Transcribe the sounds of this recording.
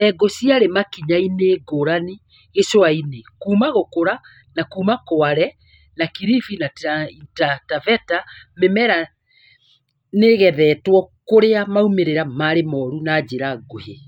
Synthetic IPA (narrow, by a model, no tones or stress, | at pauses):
ɛɡosiaɾemakiɲaineːɡoɾani | esoainekuːmaɣokoɾa | nakuːmakoaɾɛ | nakiɾifinaitatavɛtamemɛɾa | neɣɛðɛːtwɔkoɾeamaumeɾeɾamaɾemɔːɾunad͡ʑeɾaɡohe